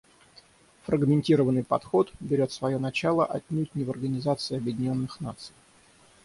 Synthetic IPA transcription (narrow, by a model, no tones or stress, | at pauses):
fɾəɡmʲɪnʲtʲiɾəvənːɨjpɐt̪xo̞t̪bʲɪɾʲo̞t̪svɐjo̞nɐt͡ɕalˠəʔɐtʲnʲut̚ʲnʲɪvərɡənʲɪzat̪sɨɪɐbjɪdʲɪnʲo̞nːɨxna̰t̪sɨj